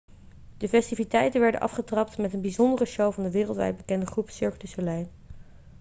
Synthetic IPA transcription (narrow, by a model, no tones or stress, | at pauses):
d̥əfɛstivitɛjtənʋɛɹdə̰nʔɑ̰fχətrɑptmɛtənbizɔndərəʃowvɑndəʋɪːrəlˠtʋɛ̰jd̚bəkɛndəχrupsʏɹktəsolɛjn